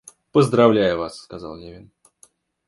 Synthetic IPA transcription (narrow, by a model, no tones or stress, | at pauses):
pəzd̪ɾɐvlʲæjʊvasːkɐza̰lˠnʲevʲɪn